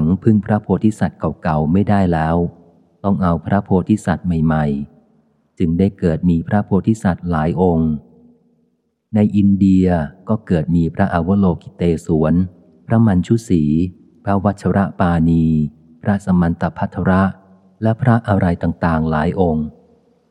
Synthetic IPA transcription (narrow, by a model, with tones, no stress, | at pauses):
ŋpʰɯ˥˩ŋpʰɾa˦˥pʰoː˧t̪ʰiː˥˩sa˨˩t̪̚ka˨˩wka˨˩wma˥˩jdaː˥˩jlɛː˦˥w | t̪ɔ˥˩ŋʔa˧wpʰɾa˦˥pʰoː˧t̪ʰiː˥˩sa˨˩t̪̚ma˨˩jma˨˩j | t͡ɕɯ˧ŋdaː˥˩jkɤː˨˩t̪̚miː˧pʰɾa˦˥pʰoː˧t̪ʰiː˥˩sa˨˩t̪̚laː˩˦jʔo˧ŋ | na˧jʔi˧ndi˧ɐkɔː˥˩kɤː˨˩t̪̚miː˧pʰɾa˦˥ʔa˧wo˦˥loː˧ki˨˩t̪eː˧suː˩˦ən | pʰɾa˦˥ma˧nt͡ɕʰu˦˥siː˩˦ | pʰɾa˦˥wa˦˥t̪̚t͡ɕʰa˧ɾa˦˥ʔpaː˧niː˧ | pʰɾa˦˥sa˧ma˧nt̪a˧pʰːa˦˥t̪ʰːa˧ɾa˦˥ʔ | lɛ˦˥pʰɾa˦˥ʔa˧ɾa˧jt̪aː˨˩ŋt̪aː˨˩ŋlaː˩˦jʔo˧ŋ